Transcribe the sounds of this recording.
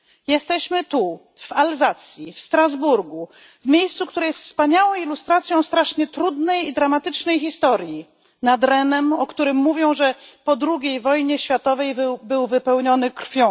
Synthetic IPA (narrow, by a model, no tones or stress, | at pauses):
jɛst̪ɛɕmɘt̪u | v̥alzat̪sʲjifst̪ɾazbuɾɡu | vmʲejst̪suk̚t̪uɾɛjɛst̪spaɲawɔ̃w̃ilust̪ɾat̪sʲjɔ̃w̃st̪ɾaʂɲɛt̪ɾud̪nɛjid̪ɾamat̪ɘt͡ʂnɛjxist̪ɔɾji | nad̪ɾɛnɛmɔkt̪uɾɘmːuvʲjɔ̃w̃ʐɛpɔd̪ɾuɡʲejvɔjɲɛɕfʲjat̪ɔvɛjvbɘwvɘpɛwɲɔnɘkɾ̥fʲjɔ̃